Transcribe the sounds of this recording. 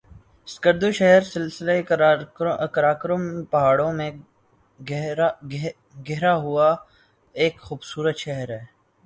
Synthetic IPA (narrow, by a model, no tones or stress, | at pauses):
ɪskəɾd̪oʃɛɦəɾsɪlsɪle | kəɾaːkəɾəmpɐɦaːɽõmẽ | ɡɛɦɾaɦʊa | eːkxuːbsuːɾət̪ʃɛɦəɾɦɛː